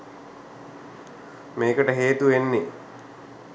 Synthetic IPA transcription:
meːkəʈəɦeːt̪uʋenːe

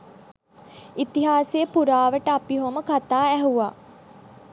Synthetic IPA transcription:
it̪iɦaːsejəpuɾaːʋəʈəapiɦoməkat̪aːæɦuʋaː

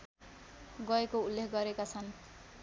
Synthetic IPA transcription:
ɡʌekoulːekʰɡʌɾekat͡sʰʌn

